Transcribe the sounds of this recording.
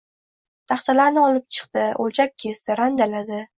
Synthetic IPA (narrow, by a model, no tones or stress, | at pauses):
t̪ʰɑχt̪ʰalaɾnɪɒlɪp̚t͡ʃʰɨ̥qt̪ɪolt͡ʃʰap̚ʲkʲʰe̞st̪ɪɾand̪alad̪ɪ